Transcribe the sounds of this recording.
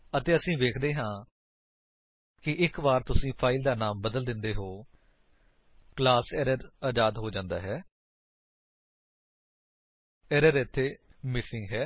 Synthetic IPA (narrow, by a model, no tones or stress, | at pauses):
ət̪eːəsĩːʋeːkʰd̪eːɦãː | kɪʔɪkbaːɾt̪ʊsĩːpʰaːɪld̪aːnaːmbəd̪əld̪ɪnd̪eːɦoː | klaːsɛːɾəɾaːd͡ʒaːd̪ɦoːd͡ʒãːnd̪a̰ːɦɛː | ɛːɾəɾɪt̪ʰːeːmɪsɪ̃ŋɡɦɛː